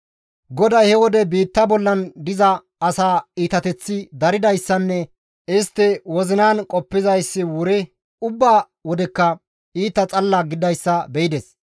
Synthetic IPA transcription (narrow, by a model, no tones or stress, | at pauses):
ɡɔd̪ɐjhɛwɔd̪ɛbiːt̪ːɐbɔlːɐnd̪ɪzɐ | ɐsaːiːt̪ɐt̪ɛt͡sːɪd̪ɐɾɪd̪ɐjsːɐnːɛ | ɪst̪ːɪwɔzɪnaːnkʼɔpːɪzɐjsːɪwʊɾɪ | ʊbːaː | wɔd̪ɛkːɐ | iːt̪ːɐt͡sʼɐlːaɡɪd̪ɐjsːɐbɛɪd̪ɛs